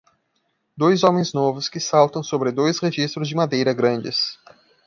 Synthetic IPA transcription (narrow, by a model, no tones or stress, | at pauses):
d̪ojzõmẽj̃znɔvʊskɪsawt̪ɐ̃w̃sobɾɪd̪ojsχeʒist̪ɾʊzd͡ʒɪmad̪ejɾɐɡɾɐ̃nd͡ʒɪs